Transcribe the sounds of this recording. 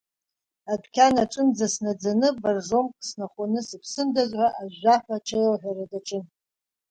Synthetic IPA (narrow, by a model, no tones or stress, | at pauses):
adkʲʰanaʈ͡ʂʼɨnd͡zasnad͡zanɨbarʐo̞mkʼsnaχʷanɨsɨpʰsɨndazʕʷaʔaʒaħʷaʈ͡ʂʰewaħʷᶣaradaʈ͡ʂʼɨn